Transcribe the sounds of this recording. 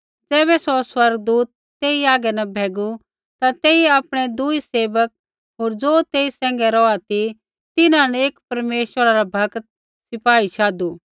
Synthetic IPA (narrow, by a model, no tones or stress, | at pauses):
d͡zɛːβɛsoswɐɾɡd̪uːt̪ːeːiaːɡɛnɐbʱɛːɡu | t̪at̪eːiaːpɽ̃ɛd̪ʊiseːʋək̚ | ɦoːɾd͡zoːt̪eːisɛ̃ːŋɡɛɾɔat̪i | t̪ɪnãnɛeːkpɐɾmeːʃwəɾaɾabʱɐkt̪̚ | sɪpaːiʃʰaːd̪uː